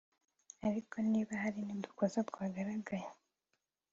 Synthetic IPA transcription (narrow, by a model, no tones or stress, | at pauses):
aɾikʰo̞niːβahaɾinid̪u̥kʰozat̪ɡwaːɡaɾaɡaje